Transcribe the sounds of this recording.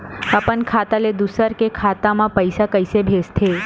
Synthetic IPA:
apənkʰat̪aled̪usəɾkekʰat̪amãpəjsakəjsebʱest̪ʰe

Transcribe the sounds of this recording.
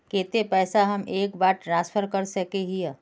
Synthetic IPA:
keːt̪epɛːsaɦɐmʔeːkbaːʈɾãːnspʰəɾkəɾsɐkeɦija

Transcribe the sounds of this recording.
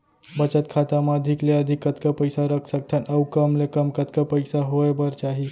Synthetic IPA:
bət͡ʃət̪kʰat̪amaəd̪ʱikleəd̪ʱikːət̪kəpəjsaɾəkʰsək̚t̪ʰənəwkəmlekəmkət̪kəpəɪsaɦoebəɾt͡ʃaɦi

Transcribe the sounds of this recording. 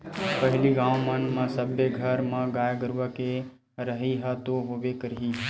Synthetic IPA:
pəɦɪliɡãːʋmənmãsəbeɡʱəɾmãɡaːjɡəɾʋəke | ɾəɦiɦat̪oɦoːʋekəɾiː

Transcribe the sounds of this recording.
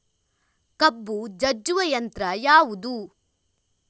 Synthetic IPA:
kɐbːud͡ʒɐd͡ʒuʋɐjɐnt̪ɾɐjaːʋud̪u

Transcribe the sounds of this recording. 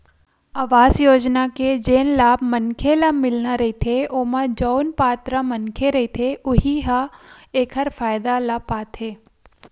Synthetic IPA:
aːʋaːzjoːd͡ʒnaked͡ʒeːnlaːbmənkʰelɐmɪlnaɾɐɦit̪ʰeʔomãd͡ʒoːnpaːt̪ɾəmɐnkʰeɾɐɦit̪ʰeʔʊɦiɦaeːkʰəɾfaːjd̪alɐpaːt̪ʰeː

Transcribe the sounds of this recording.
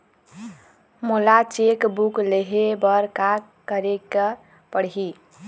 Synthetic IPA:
mulat͡ʃekbukleɦebəɾka | kəɾekə | pəɽɦi

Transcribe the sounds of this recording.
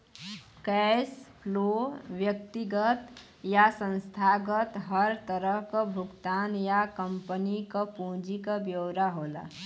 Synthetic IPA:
kɛspʰloːʋjək̚t̪iɡət̪ | jasə̃nst̪ʰaːɡət̪ɦəɾt̪əɾəɦkabʱʊɡt̪aːnjakəmpənikapũːd͡ʒikabjoːɾaɦoːla̰

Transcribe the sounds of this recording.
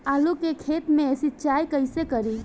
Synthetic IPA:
alukekʰet̪mẽesit͡ʃajkəjsekəɾi

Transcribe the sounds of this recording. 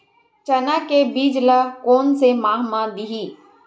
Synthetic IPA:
t͡ʃɐnakebiːd͡ʒlakoːnsemaːɦmãd̪iɦiː

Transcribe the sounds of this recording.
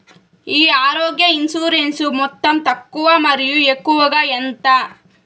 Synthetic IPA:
iːaːɾɔːɡjɐinsuːɾensumɔt̪ːɐmt̪ɐkːuʋɐmɐɾijuekːuʋɐɡɐent̪ɐ

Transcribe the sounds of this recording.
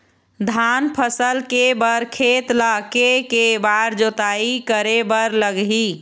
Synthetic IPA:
d̪ʱanpʰəsəlkebəɾkʰeːt̪lakekebaɾd͡ʒot̪aikəɾebəɾləɡɦi

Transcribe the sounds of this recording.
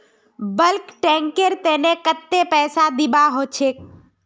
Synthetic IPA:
bəlkʈɛ̃ːŋkeɾt̪eːnekət̪ːepɛːsad̪ɪbaɦoːt͡ʃʰeːk̚

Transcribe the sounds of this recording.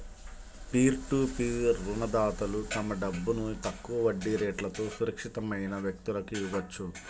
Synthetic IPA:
piːɾʈuːpiːɾːunɐd̪aːt̪ɐlut̪ɐmɐɖɐbːunut̪ɐkːuʋɐʋɐɖːiɾeːʈlɐt̪o̞ːsuɾɐkʂit̪ɐmɐjnɐʋjɐk̚t̪ulɐkiʋɐt͡ʃːu

